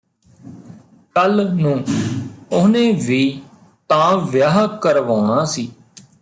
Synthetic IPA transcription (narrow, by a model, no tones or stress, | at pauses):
kəlnũː | ʊnẽːʋiː | t̪ãːʋjaːɦkəɾʋaːɳãːsiː